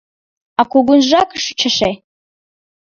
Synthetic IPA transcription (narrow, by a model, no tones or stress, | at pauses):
akʷʰʊɡʷʊnʒʷakʰʼʂt͡ʃʰaʂej